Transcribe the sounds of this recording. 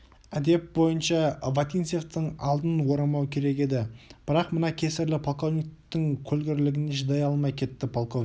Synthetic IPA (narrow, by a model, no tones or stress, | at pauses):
æd̪e̞p̚bo̞jənʃɑvat̪inseft̪əɴɑ̰lˠd̪ənwo̞ɾɑmɑwkʲʰe̞ɾe̞ke̞d̪ɪb̥ɪɾɑqmənɑkʲʰe̞sɪɾlɪpʰolˠko̞vnʲikt̪ɪŋkʲʰɵlɡʲɪɾlɪɡʲɪneʒəd̪ɑjɑlˠmɑjkʲʰe̞t̪ːɪpʰolˠkov